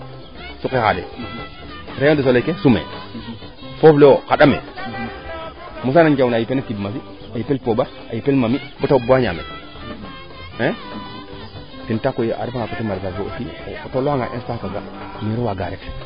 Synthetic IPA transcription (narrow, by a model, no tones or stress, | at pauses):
sukekadḛ | ɾeodes̬olekesumḛ | fofleokaɗamḛ | mus̬anand͡ʒawnːjipenakibmas̬i | ajipelpoba | ajipelmamibutaubuaɲa̰mḛt | e | tintakojiʔa̰ɾfaŋakotimaɾzaoo̰fiotoloaŋɡa̰ʔḛnstakaɡa | miɾiwaɡaɾet